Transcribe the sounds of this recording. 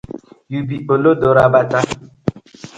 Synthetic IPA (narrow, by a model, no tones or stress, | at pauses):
jubiolodoɾabata